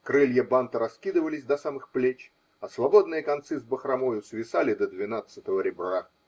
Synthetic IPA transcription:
kɾɨlʲjəbant̪əɾɐskʲid̪ɨvəlʲɪsʲd̪ɐsamɨxplʲet͡ɕ | ɐsvɐbo̞d̪̚nɨjəkɐnt̪sɨzbəxɾɐmojʊsvʲɪsalʲɪd̪əd̪vʲɪnat̪sɨt̪əvəɾʲɪbra

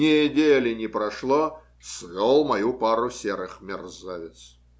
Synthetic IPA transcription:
ɪjədʲelʲɪnʲɪpɾɐʂlˠoɔ | svʲolˠmɐjupaɾʊsʲeɾɨxmʲɪrzavʲɪt̪s

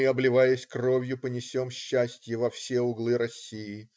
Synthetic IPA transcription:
ɨɐblʲɪvajɪsʲkro̞vʲjʊpənʲɪsʲo̞mɕːæsʲtʲjəvɐfsʲe̞ʊɡlˠɨɾɐsʲijɪ

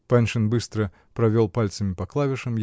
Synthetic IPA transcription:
panʲʂɨnbɨst̪ɾə | pɾɐvʲolˠpalʲt̪səmʲɪpɐklˠavʲɪʂəm

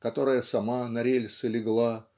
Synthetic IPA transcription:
kɐt̪o̞ɾəjəsɐmanɐɾʲelʲsɨlʲɪɡlˠa

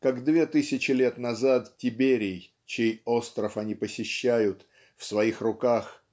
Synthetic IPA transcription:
kakd̪vʲe̞t̪ɨsʲɪt͡ɕɪlʲet̪nɐzat̪tʲɪbʲeɾʲɪj | t͡ɕejo̞st̪ɾəfɐnʲipəsʲɪɕːæjʊt̪ | fsvɐixrʊkax

